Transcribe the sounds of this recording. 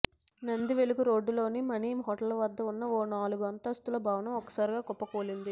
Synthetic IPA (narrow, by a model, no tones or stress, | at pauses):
nɐnd̪iʋe̞luɡuɾo̞ːɖːulo̞ːnimɐniːmɦɔʈɐlɐʋɐd̪ːɐunːɐoːnaːluɡuɐnt̪ɐst̪ulɐbʱaːʋɐnɐmɔkːɐ̥saːɾiɡaːɡɔpːɐkoːlind̪i